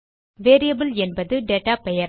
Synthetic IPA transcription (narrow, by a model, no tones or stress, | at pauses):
ʋeːɾijɐbɪlɛnbɐðɯɖeːʈːaːpɛjɐɾ